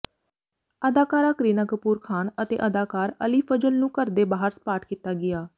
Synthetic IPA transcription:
əd̪aːkaːɾaːkɾiːnaːkəpuːɾkʰaːnət̪ḛːʔəd̪aːkaːɾə̰liːpʰəd͡ʒəlnũːkəɾd̪eːbaːɦəɾspaːʈkiːt̪aːɡɪjaː

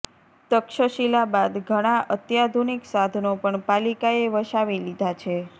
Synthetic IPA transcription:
t̪əkʃəʃilabad̪ɡʱəɽ̃aʔət̪jad̪ʱuniksad̪ʱnopəɳpalikaeʋəʃaʋilid̪ʱat͡ʃʰe

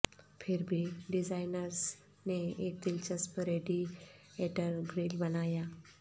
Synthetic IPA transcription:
fʰeɾbʱiɖid͡zajnəɾs | neek̚d̪ilt͡ɕaspəɾeɖi | eʈəɾɡɾilbənaja

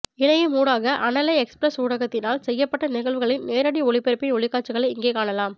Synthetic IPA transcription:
ɪɳɐjɐmuːɽaːɣɐʔɐnɐlɐɪɛkspɾɐsuːɽɐɣɐt̪ːɪnaːlsɛjːɐpːɐʈːɐnɪɣɐɭʋɯɣɐɭɪnneːɾɐɽiɔɭɪpːɛɾɯpːɪɔɭɪkːaːʈ̚t͡ʃːɯɣɐɭɐɪɪŋɡeːkaːɳɐlaːm

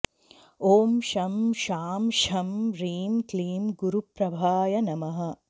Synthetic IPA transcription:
oːmʃɐmʃaːmʃɐmɾiːmkliːmɡuɾupɾɐbʱaːjɐnɐmɐɦɐ

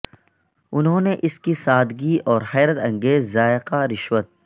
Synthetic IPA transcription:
ʊnɦõːneʔɪskisaːd̪ɡiɔːɾhɛːɾət̪ɐ̃ŋɡeːzːaːɪqaɾɪʃwət̪̚

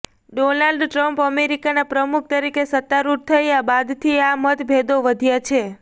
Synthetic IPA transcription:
ɖonalɖʈɾəmpəmeɾikanapɾəmuk̚ʰt̪əɾikesət̪ːaɾuʈ̚t̪ʰəjabad̪t̪ʰiamət̪ʰbʱed̪oʋəd̪ʱjat͡ʃʰe

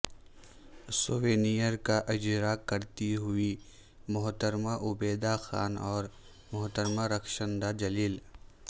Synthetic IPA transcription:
soʋeːnijəɾkaʔɪd͡ʒɾakɐɾt̪iɦʊi | mʊɦt̪əɾmaʔʊbeːd̪axa̰ːnɔːɾ | mʊɦt̪əɾmaɾɐkʰʃə̃nd̪ad͡ʒɐliːl

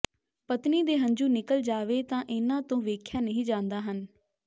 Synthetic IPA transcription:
pət̪niːd̪eːɦə̃ɲd͡ʒuːnɪkəld͡ʒaːʋeːt̪ãːʔɪnãːt̪õːʋeːkʰjaːnəɦĩːd͡ʒãːnd̪aːɦən

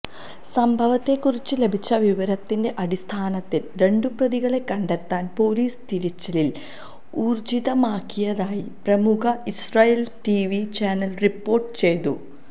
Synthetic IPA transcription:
sɐmbʱɐʋɐt̪ːe̞kːurit͡ɕːɨle̞bʱit͡ɕːɐʋiʋɐɾɐt̪ːinde̞ʔɐɽist̪ʰaːnɐt̪ːilɾe̞ɳɖuprɐðiɣɐɭe̞kːɐɳɖet̪ːaːnpo̞ːliːst̪iɾit͡ɕːɐlil | uːrd͡ʑiðɐmaːkːijɐðaːjiprɐmukɐisraːjeltiːʋit͡ɕaːnɐlripːo̞ːrʈɨ̥t͡ɕe̞jt̪ṵ

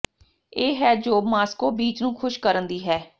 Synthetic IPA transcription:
eːɦɛːd͡ʒoːmaːskoːbiːt͡ʃnũːkʰʊʃkəɾənd̪iːɦɛː

